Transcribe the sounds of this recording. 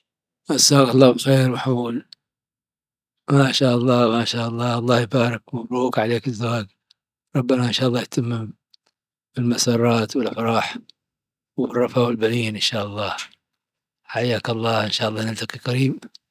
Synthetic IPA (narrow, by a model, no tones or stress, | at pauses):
ʔasːaːɣɑlˤːɑːbxeːɾwɪħmuːl | maʃaːʔɑlˤːɑːmaʃaːʔɑlˤːɑːʔɑlˤːɑːhjbaːɾɪkwmabɾuːkʕaleːkɪzːawaːɡ | ɾˤɑbːanaʔɪnʃaːʔlˤːɑːjt̪ʰamːɪm | bɪlmasɑːɾˤɑːt̪wɪlʔɪfɾˤɑːħ | wrˤːɑfawɪlbaniːnʔɪnʃaːʔɑlˤːɑː | ħajːaːkɑlˤːɑːʔɪnʃaːʔɑlˤːɑːnɪlt̪aqiqaɾiːb